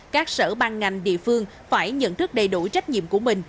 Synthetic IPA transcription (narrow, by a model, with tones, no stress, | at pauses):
kaː˦˥k̚səː˧˩ɓaː˧ŋːa˨˩jŋ̟ɗḭ˧˨əfɨ˧əŋ | faː˧˩jɲə̰˧˨nt̪ɨ˦˥k̚ɗə˨˩jɗu˧˩t͡ɕa˦˥jk̟̚ɲḭ˧˨əmku˧˩əmï˨˩ŋ̟